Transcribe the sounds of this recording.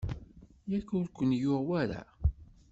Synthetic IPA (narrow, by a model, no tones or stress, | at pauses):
jækːʊɾkʷːənjʊʁwæɾa̰